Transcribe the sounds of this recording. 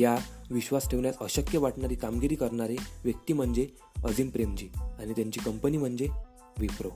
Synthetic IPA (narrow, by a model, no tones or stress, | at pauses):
jaʋiɕʋasʈʰeʋɳjat͡səɕəkjəʋaʈʰɳaɾiːkamɡiɾiːkəɾɳaɾeʋjək̚t̪iːm̤əɳd͡ze | əd͡zimpɾemt͡ɕiːañit̪jaɲt͡ɕiːkəmpəniːm̤əɳd͡ze | ʋipɾo